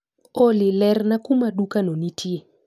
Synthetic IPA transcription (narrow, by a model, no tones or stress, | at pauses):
olɪlɛrnakʊmadukanonitʰje